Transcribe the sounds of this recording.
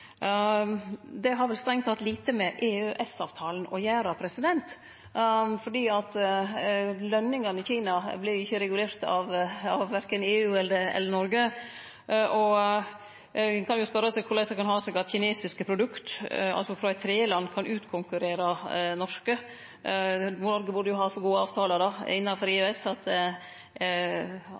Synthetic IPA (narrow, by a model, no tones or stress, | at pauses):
d̪ɛɦɑɾʋɛlst̪ɾɛŋt̪ʰːɑt̪liːt̪əmɛʔeːøʔɛsɑːʋt̪ʰɑːlən̩ʔɔ̰jæːɾɑpʰɾɛsɪd̪ɛnt̪ | fɔɖiːɑt̪ | lœnːɪŋɑnɪçiːnɑblɪɾɪçːəɾɛɡʉleːɾt̪ɑ̰ʋɑʋʋæɾkəneːʉːɛld̪əɛ̰lːənɔɾɡə | ʔɔ | kʰɑnjʊspœɾəsɛɡkʰʊɭæɪsɑkɑnhɑːsɛɡɑt̪çɪneːsɪskəpʰɾʊd̪ʉkt̪ɑ̰lsɔfɾɑɛɪt̪ʰːɾeːlɑnːkʰɑnʔʉːt̪kʰʊŋkʉɾeːɾɑnɔʂkə | ʋʊnɔɾɡəbʊɖəjʊhɑːsɔɡuːəɑːʋt̪ʰɑːlɑd̪ɑɪnːɑfɔɾɪɛsɑt̪